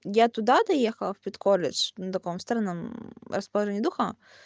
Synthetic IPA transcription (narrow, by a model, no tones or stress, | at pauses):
jat̪ʊd̪ad̪ɐjɛxɐlˠfpʲit̪kɔlʲːɪ̰d͡ʒ̥nɐt̪ɐkɔmst̪ɐɾɐnɐmɾɐspɐlˠɐʒɛnʲːd̪uxɐ